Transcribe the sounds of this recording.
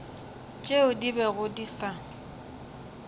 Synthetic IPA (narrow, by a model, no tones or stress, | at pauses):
t͡ʃʼeʊdibɛɣʊdisa